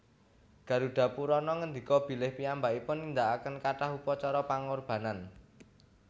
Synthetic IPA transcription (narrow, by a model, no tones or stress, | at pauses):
ɡ̥ä̤ɾuɖ̪̥ä̤puɾɔnɔŋənd̪i̤kɔb̥i̤lɪhpiambaipʊnind̪aʔakənkaʈaɦupɔt͡ʃɔɾɔpaŋorb̥ä̤nan